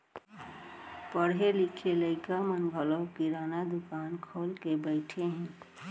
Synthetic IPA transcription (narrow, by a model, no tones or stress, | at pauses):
pəɽɦelikʰeləɪkamənɡʱəlokiɾaːnad̪ʊkaːnkʰoːlkebəɪʈʰeɦɛ̃